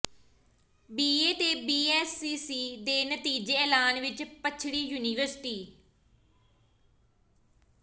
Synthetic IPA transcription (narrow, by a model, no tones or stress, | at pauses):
biːeːt̪eːbiːɛːsiːsiːd̪eːnət̪iːd͡ʒeːɛːlaːnʋɪt͡ʃpət͡ʃʰɽiːjuːniːʋəɾsʈiː